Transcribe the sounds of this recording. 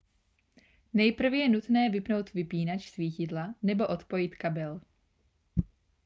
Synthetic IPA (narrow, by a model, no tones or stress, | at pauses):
nɛjpr̩vjɛnut̪nɛːvɪpno̞wt̪vɪpiːnat͡ʃsviːcɪdlanɛbo̞ʔo̞t̪po̞jɪt̪kabɛl